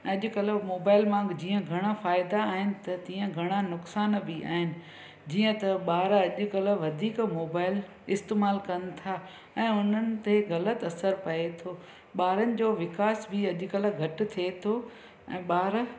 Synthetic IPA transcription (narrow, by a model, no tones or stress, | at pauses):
ɐʄʊ̆kɐləmoːbaːɪlmãːŋɡd͡ʑiːə̃ɡʱɐɽ̃afaːɪd̪aːɦɪnɪ̆t̪ɐt̪ĩːə̃ɡʱɐɽ̃anʊksaːnbʱia̰ːɦɪnɪ̆ | d͡ʑiːə̃t̪ɐɓaːɾɐʄʊ̆kələʋɐd̪ʱiːkmoːbaːɪl | ɪst̪eːmaːlkɐn̆t̪ʰaː | ɛ̃ːʊn̤ənɪ̆t̪eɣɐlət̪ɐsəɾpɐet̪ʰoː | ɓaːɾənɪ̆d͡ʑoːʋɪkaːsbʱɪɐʄʊkələ̆ɡʱɐʈ̆t̪ʰiet̪ʰoː | ɛ̰̃ːɓaːɾ